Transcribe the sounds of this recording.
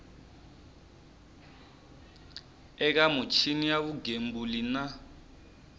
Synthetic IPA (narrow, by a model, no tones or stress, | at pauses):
ɛk̬amut͡ʃʰinijaβuɡembulina